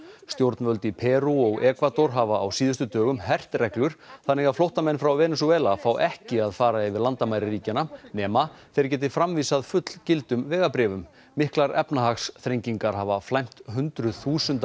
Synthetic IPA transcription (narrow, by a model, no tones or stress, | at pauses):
st̪jowɾt̪nvœlt̪ɪpʰɛːɾuɔɣɛːkvat̪ɔɾ̥ɦaːvaːwsiːðʏst̪ʏt̪œːɣʏmhɛr̥t̪rɛklʏɾ̥θanːɛɣaflowht̪amɛnfɾawvɛːnɛsuɛːlafaːwɛhcɪaðfaːɾaɪvɪðlant̪amajɾɪriːcɪnanɛːmaθɛjɾ̥c̬ɛːt̪̬ɪ̥fɾamviːsaðfʏt̪l̥cɪlt̪ʏmvɛːɣapɾɛːvʏmː | ɪhklaɾɛpnaɦaxsθɾeɲciŋkaɾ̥ɦaːvaflajm̥t̪ɦʏnt̪ɾʏθuːsʏnt̪